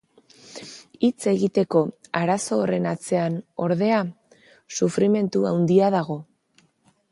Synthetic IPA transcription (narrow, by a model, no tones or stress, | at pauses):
it͡se̞ɣit̪e̞ko̞aɾaso̞ːre̞nat͡se̞ano̞ɾðe̞a | sufɾime̞nt̪uawnd̪iaðaɣ̞o̞